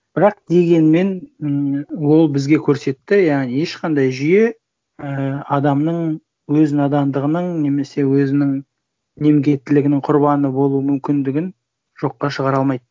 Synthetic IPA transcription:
b̥ɪɾɑq̚d̪e̞ɡʲe̞nme̞n | wo̞lˠbɪzɡʲe̞kʲʰɵɾse̞t̪ːɪjɑʁnije̞ʃqʰɑnd̪ɑjʒʏje̞ | əɑd̪ɑmnəɴ | wɵzɪnɑd̪ɑnd̪əʁənəɴne̞me̞se̞wɵzɪnɪŋ | ne̞mɡʲe̞t̪ːɪlɪɡʲɪnɪŋqʰʊɾbɑnəbo̞lˠuəmʏmkʲɪnd̪ɪɡʲɪn | ʒ̥o̞qːɑʃəʁɑɾɑlˠmɑjd̪ə

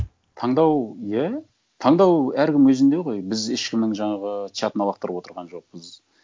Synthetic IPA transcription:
t̪ʰɑɴd̪ɑwjæ | t̪ʰɑɴd̪ɑwæɾkʲʰɪmwɵzɪnd̪e̞ʁo̞jbɪzeʃkʲʰɪmnɪŋʒɑɴɑʁət͡ʃ̪jat̪ənɑlˠɑqt̪əɾəpwo̞t̪əɾʁɑnʒo̞q̚pəz

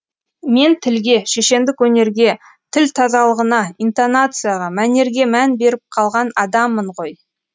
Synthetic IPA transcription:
me̞nt̪ʰɪlɡʲe̞ʃe̞ʃe̞nd̪ɪkwɵne̞ɾɡʲe̞ | t̪ʰɪlt̪ʰɑzɑlˠəʁənɑint̪onat̪sɨjaʁɑmæne̞ɾɡʲe̞mænbe̞ɾɪp̚qʰɑlˠʁɑnɑd̪ɑmːəɴʁoj

